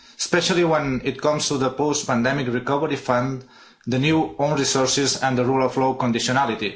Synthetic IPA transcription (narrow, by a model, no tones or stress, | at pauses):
əspɛʃalˠiwɛ̃nit̪̚kɔ̃mst̪uðəpost̪̚pãnd̪ɛmikrikɔβəɾifãn | d̪ənjuõw̃nɹisoɾsizə̃nd̪ərulɔflokõnd̪isionalit̪i